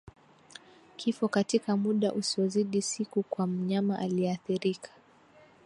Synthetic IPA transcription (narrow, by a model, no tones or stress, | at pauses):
kʰifɔkatikamuɗaʔusiɔziɗisikukwam̩ɲamaʔaliɛaθiɾikʰḁ